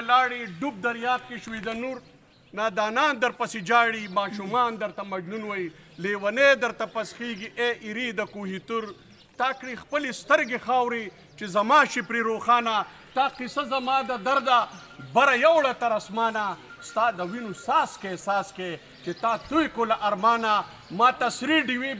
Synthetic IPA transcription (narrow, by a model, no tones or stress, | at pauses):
laːɽiɖub̚d̪ɐɾjaːk̚keʃwiːd̪ɐnuɾ | naːd̪aːnaːnd̪ɐɾpɐsed͡ʒaːɽimaːʃumaːnd̪ɐɾt̪ɐmɐd͡ʒnunwɐjleːwɐneːd̪ɐɾt̪ɐpɐsxiːɡiʔeʔiɾiːd̪ɐkuɦit̪uɾ | t̪aːkɽixpəlist̪ɐɾɡexaːwɾi | t͡ʃezɐmaːʃipɾiɾoːxaːna | t̪aːqisazɐmaːd̪ɐd̪ɐɾd̪a | bɐɾɐjɐwɽɐt̪ɐɾɐsmaːnast̪aːd̪ɐwinusaːskesaːske | t͡ʃet̪aːt̪ujkolaʔɐɾmaːna | maːt̪ɐsɾiɖiwi